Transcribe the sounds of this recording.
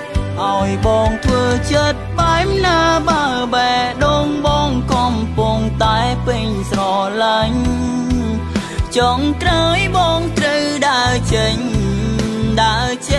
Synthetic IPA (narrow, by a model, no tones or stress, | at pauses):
ʔaɔjɓɑːŋt̪ʰʋəːt͡ɕət̪̚ɓaɛmnaːɓaəɓaɛɗoːŋɓɑːŋkɔmpuŋt̪aɛpiɲsrɑlaɲ | t͡ɕɔŋkraəjɓɑːŋk̪rəwɗaət͡ɕəɲ | ɗaət͡ɕə